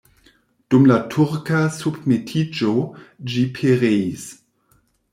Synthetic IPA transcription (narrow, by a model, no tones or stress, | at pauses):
d̥umlatʰuʁkasubmetʰid͡ʒod͡ʒipʰeʁeis